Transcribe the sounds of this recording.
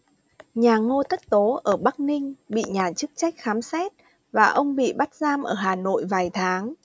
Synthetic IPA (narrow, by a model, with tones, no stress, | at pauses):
ɲaː˨˩ŋo˧t̪ə˦˥t̚t̪o˨˦ʔəː˧˩ɓa˦˥k̚nï˧ŋ̟ɓḭ˧˨ɲaː˨˩t͡ɕɨ˦˥k̚t͡ɕa˦˥jk̟̚xaː˨˦msɛ˦˥t̚ | vaː˨˩ʔə˧wŋ͡mɓḭ˧˨ɓa˦˥t̚zaː˧mʔəː˧˩ɦaː˨˩no̰˧˨jvaː˨˩jt̪ʰaː˨˦ŋ